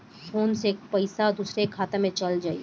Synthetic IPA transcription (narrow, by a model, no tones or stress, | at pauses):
foːnsek̚pəɪsad̪uːsɾekʰaːt̪emẽt͡ʃɐld͡ʒaːḭ